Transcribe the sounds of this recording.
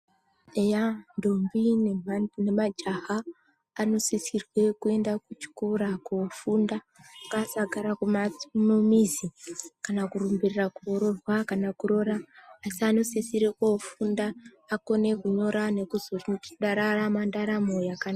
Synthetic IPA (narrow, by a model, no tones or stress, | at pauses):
ejando̞mbinene̞mad͡ʒaɦaː | no̞sisirwe̞kue̞ndakut͡ʃi̥kuɾakufunda | kasaɡʱaɾakumanomizikanakurumbirirakuoɾo̞rwakanakuɾo̞ɾaːsiano̞sesirekofundaː | ko̞ne̞kuɲo̞ɾane̞kuzortiuɗaɾaramandaɾamojakana